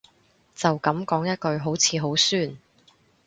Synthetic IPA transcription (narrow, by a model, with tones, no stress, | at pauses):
t͡sɐ˨wkɐ˨˧˥mkɔː˨˥ŋjɐ˥t̚kɵ˧ɥɦo˨˥wt͡sʰiː˨˧˥ɦo˨˥wsyː˥˩n